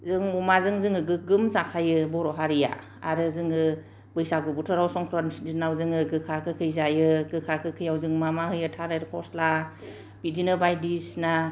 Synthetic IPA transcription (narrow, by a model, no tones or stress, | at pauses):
zɯŋɔmazɯŋzɯŋɯɡɯɡɯmzakʰajɯbɔɾɔɦaɾija̰ | a̰ɾɯzɯŋɯ | bɯjsaɡɯbutʰɯɾawsɔŋkʰɾɔnsdinawzɯŋɯɡɯkʰakʰɯkʰɯjzajɯɡɯkʰakʰɯkʰɯjawzɯŋmamahɯjɯtʰaɾeɾpʰɔsla | b̥idinɯbajdisna